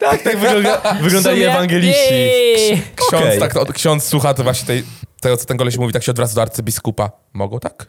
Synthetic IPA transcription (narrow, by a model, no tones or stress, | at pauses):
t̪akt̪aɡvdavɨɡlɔnd̪alʲiɛvaŋɡɛlʲit͡ɕi | kɕɔst̪akt̪ɔɔkɕɔnt̪sswuxat̪vwaɕɲɛt̪ɛjt̪ɛɡɔt̪ɔ̥t̪ɛŋkɔlɛɕmuvʲit̪akɕɛɔd̪vɾasd̪ɔaɾt̪sɘbʲiskupa | mɔɡɔwt̪ak